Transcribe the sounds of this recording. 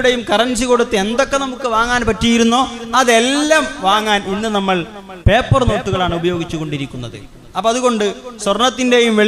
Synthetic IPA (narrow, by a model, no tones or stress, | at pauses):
ɽe̞jumkɐrɐnsiko̞ɽut̪ːɨend̪o̞kːe̞nɐmukːɨʋaːŋːaːnpɐtːijiɾunːoːɐðe̞lːaːmʋaːŋːaːninːɨnɐmːɐɭ | pe̞ːpːɐrno̞ːʈːuɣɐɭaːɳɨubɐjo̞ːɡit͡ɕːuko̞ɳɖiɾikʲːunːɐðɨ̰ | ɐpːɐɐðuɣo̞ɳɖɨswɐrnɐt̪ːinde̞jumʋeɭ